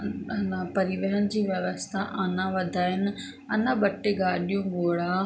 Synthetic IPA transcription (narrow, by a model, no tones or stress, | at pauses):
ɐnapɐɾiʋɐɦənɪ̆d͡ʑiːʋjɐʋəst̪ʰaʔaːnãʋɐd̪ʱaːɪnɪ̆ | ɐnãɓɐʈeɡaːɗijũɡoːɽaː